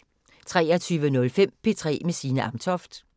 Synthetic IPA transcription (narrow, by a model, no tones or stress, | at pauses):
t͡sʰʁɛ̰ːɐt͡sʰyːʋənɔ̽lfem̰pʰe̝t͡sʰʁɛ̰ːmesiːnəʔɑ̈mt͡sʰɒfd̥